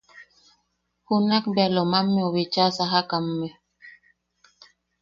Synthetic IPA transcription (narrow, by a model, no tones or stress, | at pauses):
hunak̚bɛlɔmamːiɔwet͡ʃasaɦakamːɛ